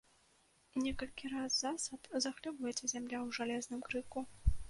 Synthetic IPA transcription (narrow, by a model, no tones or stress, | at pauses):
nʲɛkɐlʲkʲiɾazzasɐt̪zɐxlʲɨvujɛt͡sʲɛzʲamlʲawʐalʲɛznɨmkɾɨku